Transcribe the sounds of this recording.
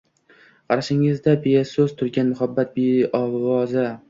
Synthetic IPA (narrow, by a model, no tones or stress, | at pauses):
qʰɑɾaʃɪŋɪzd̪abesɵz̥t̪ʰʊɾɡʲanmʊhabːat̪̚beɒwɒza